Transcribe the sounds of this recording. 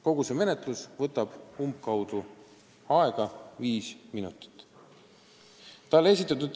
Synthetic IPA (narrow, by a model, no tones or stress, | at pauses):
ko̞ɡ̥useme̞net̪ˑlusvɤt̪ːˑɑb̥umbkɑwd̪̥u | ɑe̞ɡ̥ɑviːsminut̪ˑi̥t̪ː | t̪ɑle̞s̬ʲit̪ːˑɑt̪̬ːud̪̥